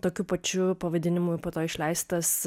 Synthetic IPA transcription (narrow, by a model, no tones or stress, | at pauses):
t̪oːkʲupɐt͡ʃʲʊpɐʋɐd̪ʲɪnʲɪmʊɪpoːt̪oːɪʃʲlʲɛɪst̪ɐs